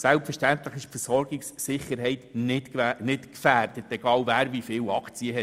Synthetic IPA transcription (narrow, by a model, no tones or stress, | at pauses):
sælpfəɾʃtænt̪ləχɪʃpfɛɾsɔɾɡɪksːɪχəɾɦɛɪtnɪtnɪtkfæːrdət̪ɛɡ̥ɑːlvæːɾvifɪːwɑkʰt͡siəɦɛ